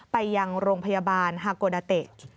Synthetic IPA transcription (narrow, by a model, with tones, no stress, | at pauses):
pa˧jːa˧ŋɾoː˧ŋpʰa˧jaː˧baː˧nɦaː˧koː˧daː˧t̪e˨˩t̪̚